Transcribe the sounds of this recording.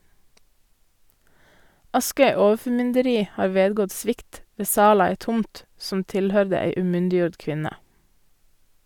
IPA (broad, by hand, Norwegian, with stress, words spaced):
ˈɑskœʏ ˈoːəfɔˌmʏndəɾiː ˈhɑːɾ ˈʋeːdɡɔt ˈsʋɪkt ˈʋeː ˈsɑːl ˈɑː ˈeːt ˈtʊmt sm̩ ˈtɪlˌhœɾdə ˈæɪ ʉːˈmʏndɪˌjuːɖ ˈkʋɪnə